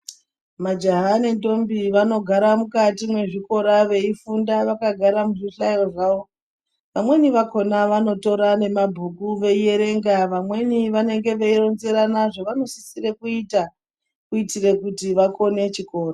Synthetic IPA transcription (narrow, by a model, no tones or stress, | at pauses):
mad͡ʒaɦane̞ndo̞mbiʋano̞ɡʱaɾamukatimwe̞ʐiko̞ɾaʋe̞ifundaʋakaɡʱaɾamuʐiɬajo̞ʐaːʋo̞ | ʋamwe̞niʋako̞naʋano̞to̞ɾane̞mabʱukuʋe̞je̞ɾe̞ŋɡaʋamwe̞niʋane̞ŋɡe̞ʋeiro̞nze̞ɾanaʐo̞ʋano̞sisire̞kuita | kuitire̞kutiʋako̞ne̞t͡ʃiko̞ːra